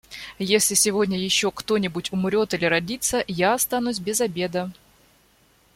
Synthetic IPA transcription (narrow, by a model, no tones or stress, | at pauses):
jesʲlʲɪsʲɪvo̞dʲnʲəjɪɕːo̞kt̪o̞nʲɪbʊtʲʊmɾʲo̞t̪ɨlʲɪɾɐdʲit̪sːəjaɐst̪anusʲbʲɪzɐbʲe̞d̪ə